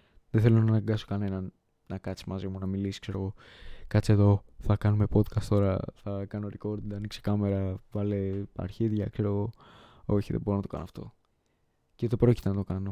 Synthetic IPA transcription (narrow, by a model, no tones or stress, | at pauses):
ðeθe̞lo̞nɐːnɐŋɡɐso̞kɐne̞nɐn | nɐkɐt͡si̥mɐzimunɐmilisi̥kse̞ɾo̞ɣo̞ | kɐt͡sie̞ðo̞θɐkɐnume̞po̞d̪kɐst̪o̞ɾɐ̰θɐkɐnoɾiko̞ɾd̪ɐnikse̥kɐme̞ɾɐvɐlepɐ̰ɾçiðʝɐkse̞ɾo̞ɣo̞o̞çiðḛbo̞ɾonɐt̪oɐnoɐft̪o̞̰ | ceot̪e̞pɾo̞ci̥t̪enɐt̪o̞kɐno̞